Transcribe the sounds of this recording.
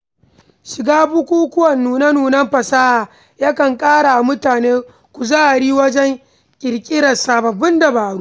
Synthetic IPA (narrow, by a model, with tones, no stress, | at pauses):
ʃɪ˨ɡaː˦bu˦kʷuː˦kʷʊ˦wɐ˨nːuː˨nɐ˦nuː˨nɐ˦mɸɐ˨saː˦ʔaː˨ | ja˦kɐ˨ŋkʼaː˦ɽa˨ʔa˨mʊ˦taː˨neː˦ | kʷu˨zaː˦ʔa˨ɽiː˦wɐ˦d͡ʒɛ˦ŋ | kʲʼɪ˨ɾkʲʼɪ˦ɾɐ˨saː˨bɐ˨bʊ˦nda˨baː˨ɽuː˦